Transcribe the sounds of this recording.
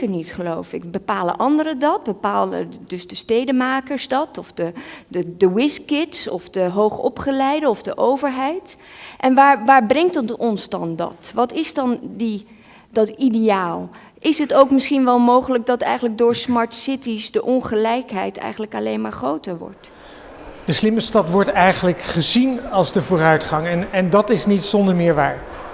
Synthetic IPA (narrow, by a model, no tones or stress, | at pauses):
kəɹnitχəlowfɪkbəpaːlə̰ʔɑndəɾədɑt̚bəpaːlə̰dɵzdəstejdəmaːkəɹzdɑtɔfdəədəwɪskɪtsɔ̰fdəɦowχɔ̰pχəlɛjdəɔvdəʔowvəɹɦɛjt | ʔɛnʋaːɹʋaːɹbrɛŋttɔnzdɑ̰ndɑ̰tʋɑtɪzdɑndi | dɑtidejaːlˠ | ʔɪsɦətowkmɪsχinʋɛlˠmowχələk̚dɑtɛ̰jχənlək̚dʊːɹsmɑɹtsɪtisdəʔɔnχəlɛjkɦɛjtɛ̰jχən̩ləkɑlejnmaːɹχrowtəɹʋɔ̰ɹt | d̥əslɪməstɑtʋɔɹtɛjχənləkχəzinɑlˠzdəvʊːrœɥtχɑŋɛnɛndɑtɪsnitsɔndəɹmɪːɹʋaːɹ